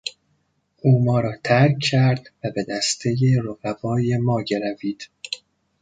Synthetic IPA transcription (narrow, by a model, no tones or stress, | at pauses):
ʔuːmɒːɾɒːt̪ʰæɾkʰːæɾd̪̥væbe̞d̪æst̪ʰe̞jeɾoɣævɒːje̞mɒːɟe̞ɾæviːd̪̥